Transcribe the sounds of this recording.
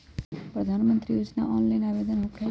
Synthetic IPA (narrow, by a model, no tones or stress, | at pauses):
pɾəd̪ʱanmənt̪ɾijoːd͡ʒna̰ʔɔnlajnabed̪ənɦʊkʈʰa